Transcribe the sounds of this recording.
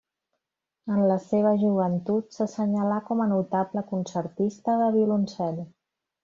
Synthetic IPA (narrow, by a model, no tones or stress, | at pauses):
ənləseβ̞əʒuβ̞ənt̪ut̪səsəɲəlakɔmənut̪abləkunsəɾt̪ist̪əðəβiulunsɛl